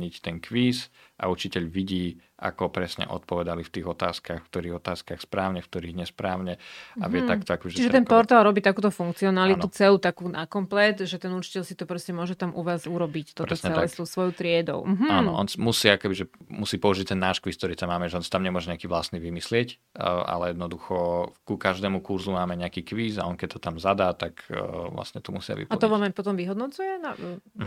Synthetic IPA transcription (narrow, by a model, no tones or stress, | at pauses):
ɲict̪ɛŋkʋiːsʔa̰ut͡ʃicɛʎʋiɟiːa̰kɔpɾɛsɲɛ̰ʔɔ̰t̪pɔʋɛd̪alift̪iːɣɔt̪aːskaxkt̪ɔɾiːɣɔt̪aːskaxspɾaːʊɲɛfkt̪ɔɾiːɣɲɛspɾaːʊɲɛa̰ʋɪɛt̪akt̪ɔakɔbiʒt͡ʃiʒɛt̪ɛnpɔɾt̪alˠɾɔbiːt̪akuːt̪ɔfuŋk̚t͡siɔnalit̪ut͡sɛluːt̪akuːnakɔmplɛt̪ʒɛt̪ɛnut͡ʃi̥cɛʎsit̪ɔpɾɔscɛmʊɔʒɛt̪amʔuʋaːzuɾɔbict̪ɔɾɛsɲɛtɛlaɛst̪usʋɔjuːt̪ɾɪɛd̪ɔ̰ʊm̩ɦ̩anɔ̰ʔɔ̰nsmusiːakɔkɛbiʒɛmusiːpɔuʒict̪ɛnːaːʃkʋiːsk̚t̪ɔɾiːt̪amːaːmɛʒɛɔnsi̥t̪amɲɛmʊɔʒɛɲɛakiːʋlast̪niːʋimislɪɛc | ʔa̰lɛjɛd̪nɔd̪uxɔkukaʒd̪ɛːmukuɾzumaːmɛɲɛakiːkʋiːza̰ɔnkɛc̚t̪ɔ̥t̪amzad̪aːt̪akʋla̰sɲɛt̪ɔmṵsɪa̰ʋḭpaɔʋamajpɔt̪ɔmʋiɦɔd̪nɔt͡sujɛna